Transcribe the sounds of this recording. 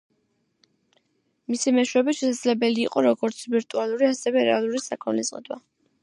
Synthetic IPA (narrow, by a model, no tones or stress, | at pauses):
misimɛʃwɛbiʃɛsad̪zlɛbɛliːqʼɔɾɔɡɔɾt̪sʰviɾt̪ʼualˠuɾiasɛvɛɾɛ̰alˠuɾisakʰɔnlḭszʼqʼḭd̪wa̰